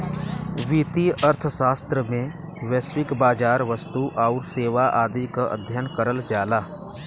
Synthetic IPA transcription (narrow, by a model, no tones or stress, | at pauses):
ʋiːt̪iəɾt̪ʰʃaːst̪ɾəmẽ | ʋeːswɪkbaːd͡ʒaːɾʋəst̪uʔaːʊɾseːʋaʔaːd̪ikaʔə̰d̪ʱjənkəɾəld͡ʒaːlaː